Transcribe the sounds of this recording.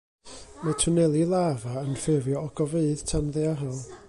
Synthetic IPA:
matʰʊnɛlˠilˠavaənfɛvjɔɔɡɔveɨð̥tʰanðɛaɦalˠ

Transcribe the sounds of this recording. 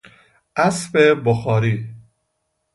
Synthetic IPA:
ʔæsfeboxɒːɾiː

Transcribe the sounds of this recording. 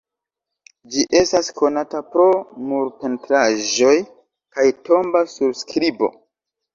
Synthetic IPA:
d͡ʒiʔe̞stasko̞natapɾo̞muɾpe̞ntɾaʒo̞j | kajtʰo̞mbasuɾskɾibo̞̰

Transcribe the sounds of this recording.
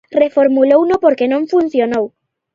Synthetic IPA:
refoɾmulownopoɾkenõɱfunθjonow

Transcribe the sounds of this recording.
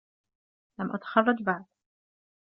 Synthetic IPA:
lamʔat̪xɑlˤːɑt̪baʕd̪̚

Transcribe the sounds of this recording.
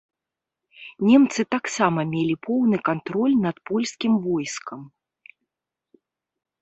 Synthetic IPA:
nʲɛmt̪sɨt̪aksamɐmʲelʲipʰɔwnɨkant̪ɾɔlʲnɐt̪pɔlʲsʲkʲimvɔjskʰɐm

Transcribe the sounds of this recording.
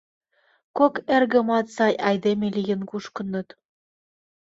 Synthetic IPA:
kokerɣə̆mɑt̪sɑjʔɑjd̪emelʲijə̆nkuʃkə̆nɤ̆t̪

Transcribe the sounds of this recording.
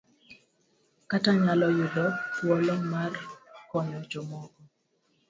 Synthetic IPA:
kataɲalɔjʊdɔtwɔlɔmarkɔɲɔd͡ʒɔmɔkɔ

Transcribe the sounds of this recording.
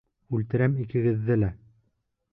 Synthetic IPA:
ʉlt̪ɘ̆ɾæmikɘ̆ɡɘ̆ðːɘlæ

